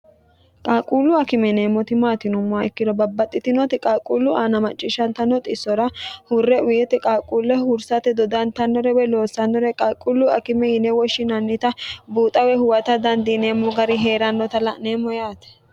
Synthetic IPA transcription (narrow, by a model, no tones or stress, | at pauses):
kʼaːkʼuːlːʊɐkɪmɛneːmːɔt̪ɪmaːt̪ɪnʊmːɛkːɪd̪ɔbɐbːɐt̪ʼːɪt̪ɪnɔt̪ɪkʼakʼulːʊʔaːnɐmɐt͡ʃʼːɪʃɐnt̪ɐnːɔt̪ʼɪsːɔɾɐhʊrːɛʔʊjɛt̪ɛkʼaːkʼuːlːɛɦʊɾsɐt̪ɛd̪ɔd̪ɐnt̪ɐnːɔɾɛbɛlo̞ːsːɐnːɔɾɛkʼakʼːulːʊɐ̰kɪmɛjɪnɛwɔʃːɪnɐnːɪt̪ɐbuːt̪ʼɐwɛhʊwɐt̪ɐd̪ɐnd̪ɪneːmːɔɡɐɾɪɦe̞ːɾɐnːɔt̪ɐlɐʔneːmːɔjaːt̪ɛ̥